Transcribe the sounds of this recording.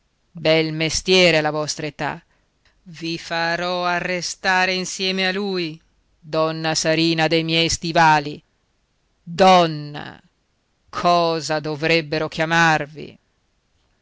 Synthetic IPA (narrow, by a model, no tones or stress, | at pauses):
bɛlmest̪jɛːɾealavɔst̪ɾaet̪a̰ | vifaɾɔarːest̪aːɾeinsjɛːmealuj | d̪ɔnːasaɾiːnad̪ejmjɛjst̪ivaːli | d̪ɔnːa̰ | kʰɔːzad̪ovɾɛbːeɾokjamarvḭ